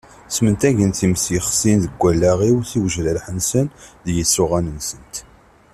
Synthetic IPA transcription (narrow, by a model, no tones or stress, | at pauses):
smənt̪æʝənt̪imsjəχsinðəɡʷːælːæʁiwθiwəʒɾəɾħənsənðjəsːʊʁænənsənt̪